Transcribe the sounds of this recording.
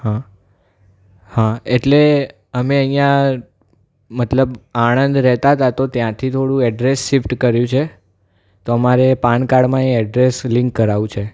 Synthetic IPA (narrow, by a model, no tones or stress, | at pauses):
hã | hãeʈle | əmeəjjã | mət̪ləbaɽ̃ənd̪ɾɛɦt̪at̪at̪ot̪jãt̪ʰit̪ʰoɽũɛɖɾesːifʈkəɾjũt͡ʃʰe | t̪oəmaɾepaɳkaɽmãẽɛɖɾesliŋkːəɾaʋũt͡ʃʰe